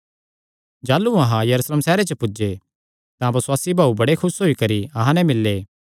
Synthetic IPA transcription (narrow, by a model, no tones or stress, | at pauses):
d͡ʒaːlːuɐɦãjɐɾuːsleːmsɛːɾet͡ʃəpʊd͡ʒe | t̪ãbɐswaːsibʱaːubɐɽekʰʊsɦoːikɐɾiɐɦãnɛmɪlːeː